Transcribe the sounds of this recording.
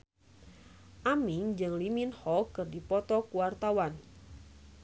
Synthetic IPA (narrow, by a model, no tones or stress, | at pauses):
ʔamiŋd͡ʒɨŋliminhɔkɨrdipɔt̪ɔkuwart̪awan